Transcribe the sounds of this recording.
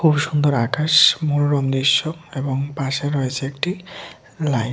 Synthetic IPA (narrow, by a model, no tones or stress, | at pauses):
kʰubʃund̪oɾakaʃmuɾoɾɔmd̪iʃːoeboŋpaʃaɾɔjet͡ɕʰeekʈi | laj